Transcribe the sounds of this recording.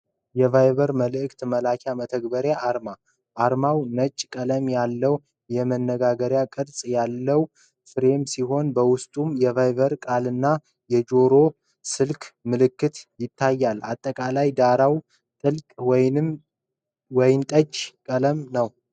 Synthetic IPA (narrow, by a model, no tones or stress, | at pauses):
jɛvajβəɾməlɨʔɨkt̪məlakʰjamət̪ʰəɡbəɾjaʔːɾma | ʔːɾmawnət͡ʃʼːkʼələmjalːəw | jɛmənːəɡaɡəɾjakʼɨɾsʼjalːəw | fɨɾe̞msiɦo̞nbəwʊst̪ʼumjɛvajβəɾkʼalɨnːa | jɛd͡ʒo̞ɾo̞ | sɨlkʰʼmɨlɨkːɨt̪jɪt̪ʰːajːalːa̰t̪ʼːəkʼalajd̪aɾaw | t̪ʼɨlkʼwnm | wɔjɪnt̪ʼət͡ʃʼːkʼələmnəw